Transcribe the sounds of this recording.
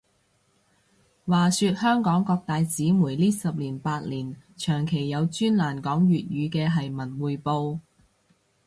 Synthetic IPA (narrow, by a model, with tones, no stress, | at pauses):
waː˨syː˧t̚hœː˥ŋkɔː˨˥ŋkɔː˧k̚t̪aː˨jt͡siː˨˥muː˨˩jliː˥sɐ˨p̚liː˨˩npaː˧t̚liː˨˩nt͡ʃʰœː˨˩ŋkʰe˨˩jːɐ˨˧wt͡ʃyː˥nlaː˨˩nkɔː˨˥ŋjyː˨t̚jyː˨˧kɛː˧ɦɐ˨jmɐ˨˩nwuː˨jpo˧w